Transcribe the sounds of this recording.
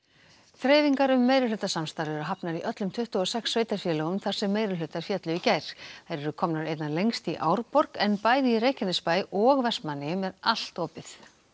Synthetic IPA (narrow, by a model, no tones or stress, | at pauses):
θɾeːjviŋkaɾʏmːejɾɪlʏt̪asamst̪aɾɛɾʏɦapnaɾiʔœt̪lʏmt̪ʰʏht̪ʏɔsɛksːveːjt̪aɾ̥fjɛːlɔʏmθaɾ̥sɛmːeːjɾɪllʏːt̪aɾ̥fjɛt̪lʏicajɾ̥hajɾɛɾʏkʰɔmnaɾejt̪nanlejŋst̪iʔaːwɾpɔrkɛnpaːjðɪireːjhcɛnːɪspaːjʔɔɣvɛ̥smanːɪmɛðal̥t̪oːpɪθ